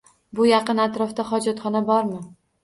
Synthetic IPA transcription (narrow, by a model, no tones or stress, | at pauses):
bʊjɑqɨnat̪ɾɒfd̪aχɒd͡ʒɒt̪χɒnabɒɾmɪ